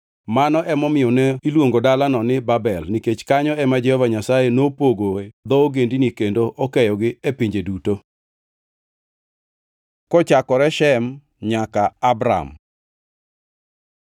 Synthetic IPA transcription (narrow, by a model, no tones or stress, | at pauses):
manɔʔɛmɔmɪjɔnɛilwoŋɡodalanɔnɪbabɛlniket͡ʃkaɲɔɛmad͡ʒɛhɔvaɲasajenopoɡod̪ɔoɡendinikendoʔɔkɛjɔɡɪepiɲd͡ʒeduto | kɔt͡ʃakɔɾɛʃɛm | ɲakaːbɾa̰m